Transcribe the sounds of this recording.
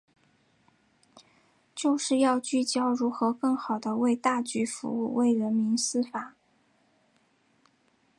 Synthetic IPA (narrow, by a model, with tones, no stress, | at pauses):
t͡ɕjo˥˧ʊʂɻ̩˥˧jɑ˥˧ʊt͡ɕy˥˩t͡ɕjɑ˥ʊɻu˧˥xɤ˧˥kɤ˥˩ŋxɑ˨˩ʊd̪ə˦we˥˧ɪt̪a˥˩t͡ɕy˧˥fṵ˧˥u˥˩we˥˩ɪɻə˧˥nmi˧˥nsɹ̩˥fa˨˩˦